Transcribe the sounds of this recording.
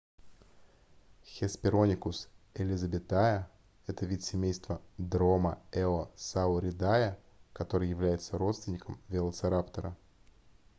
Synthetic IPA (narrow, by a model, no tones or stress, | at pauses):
xʲɪspʲɪɾo̞nʲɪkʊsɪlʲɪzəbʲɪt̪ajə | ɛt̪əvʲit̪sʲɪmʲejst̪vəd̪ɾo̞məɛosaʊɾʲɪd̪ajə | kɐt̪o̞ɾɨjɪvlʲæjɪt̪səɾo̞t̪st̪vʲɪnʲɪkəmvʲɪlˠət̪sɨɾapt̪əɾə